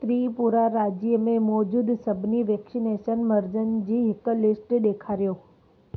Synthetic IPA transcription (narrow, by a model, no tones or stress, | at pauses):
t̪ɾiːpuɾaɾaːd͡ʑiəmẽmɔːd͡ʑuːd̪sɐbʱɪniʋɛːksineʃənmɐɾd͡ʑənd͡ʑiːɦɪk̆lɪsʈɗ̪eːkʰaːɾijoː